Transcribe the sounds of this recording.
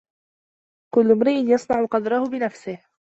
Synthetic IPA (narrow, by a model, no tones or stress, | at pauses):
kʊlːʊmɾɪʔɪnjɑsˤnɑʕʊqɑd̪ɾˤɑhʊbɪnafsɪh